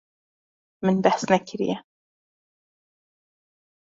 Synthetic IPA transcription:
mɪnbaħsnakɪɾɪ̰ja

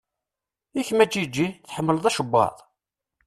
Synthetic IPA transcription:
içmæd͡ʒid͡ʒːiθħəmːəlðˤæʃəbːɑ̰ðˤ

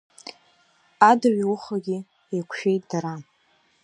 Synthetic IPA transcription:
adaɥwʊχaɡʲɪ | ekʷʰʃᶣejtʼd̥aɾa

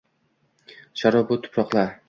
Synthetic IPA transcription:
ʃaɾɒbʊt̪ʰʊ̥pɾɒqlˠaɾ

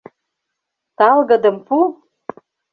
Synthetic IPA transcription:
t̪ɑlɣɤ̆d̪ə̆mpu

